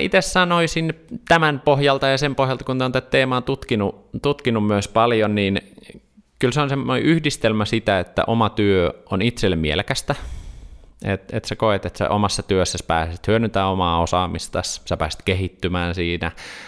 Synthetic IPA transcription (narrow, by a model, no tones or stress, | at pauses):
it̪essɑnoisinːt̪æmænpohjɑlt̪ɑjɑsempohjɑlt̪ɑkunt̪eont̪æt̪teːmɑːt̪ut̪kinut̪ut̪kinummyøspɑljonniːn | kylseonsemːonḛʔyhdist̪elmæsit̪æet̪ːæ̰ʔomɑt̪yøonit̪selːemiḛlkæst̪æ | ḛt̪ḛt̪sekoet̪et̪sæ̰ʔomɑsːɑt̪yøsːæspæːset̪hyønyt̪æomɑːosɑːmist̪ɑssæpæːst̪kehit̪ːymæːnsiːnæ̰